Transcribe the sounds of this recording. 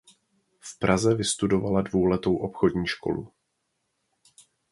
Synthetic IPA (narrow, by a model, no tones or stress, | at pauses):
fpɾazɛvɪst̪udo̞valadvowlɛt̪o̞wʔo̞pxo̞dɲiːʃko̞̰lṵ